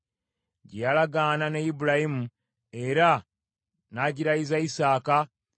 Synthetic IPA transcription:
ɟijalaɡananejibuɾahimu | e̞ɾa | naɟiɾaizaisaːka

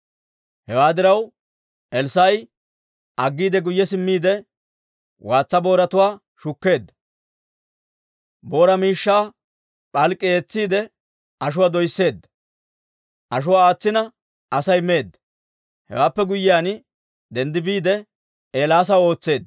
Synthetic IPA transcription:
hɛwaːd̪ɪɾɐw | ʔɛlsɐj | ʔɐɡːiːd̪ɛɡʊjːɛsɪmːiːd̪ɛ | wʔaːt͡sːɐbo̞ːɾɐt̪ʊwaː | ʃʊkːe̞ːd̪ːɐ | bo̞ːɾɐmiːʃːaː | pʼɐlkʼːɪeːt͡sːiːd̪ɛ | ɐʃ̬ʊwad̪ɔjsːe̞ːd̪ːɐ̥ | ʔɐʃ̬ʊwaːaːt͡sːɪnɐ | ʔɐsɐjme̞ːd̪ːɐ̥ | hɛ̰waːpːɛɡʊjːɪjaːn | d̪ɛnd̪ɪbiːd̪ɛ | eːlaːs̬ɐwo̞ːt͡sːe̞ːd̪ːɐ

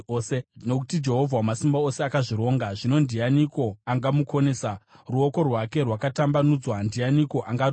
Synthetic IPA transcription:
seno̞k̬utid͡ʒe̞ɦo̞vʱawamasimbao̞se̞akaʐiɾo̞ːŋɡaʐino̞ndʱijaniko̞aŋɡamuko̞ne̞ːsa | ruoko̞rwake̞rwakatambanud͡zwandijaniko̞ʔaŋɡa

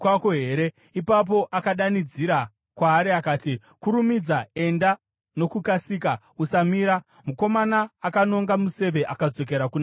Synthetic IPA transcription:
kwakoɦe̞ɾe̞ | ipap̬o̞ʔakaɗanid͡ziɾa | kwaːɾiakaːti | kuɾumid͡zae̞nda | no̞kukasiːk̬a | usamiːɾa | muko̞manaːkano̞ŋɡamuse̞ʋe̞ʔakad͡zo̞k̬e̞ɾakun

